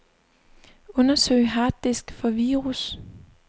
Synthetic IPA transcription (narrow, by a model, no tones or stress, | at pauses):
ɔ̽nɐsø̰ɪ̰ɦɑ̈ːd̥isɡ̥fɒ̽ʋiːʁus